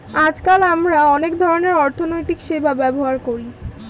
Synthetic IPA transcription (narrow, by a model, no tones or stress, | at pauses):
ad͡ʑkalamɾaɔnekd̪ʱɔɾoneɾɔɾt̪ʰonojt̪ikʃebʱabɛboɦaɾkoɾi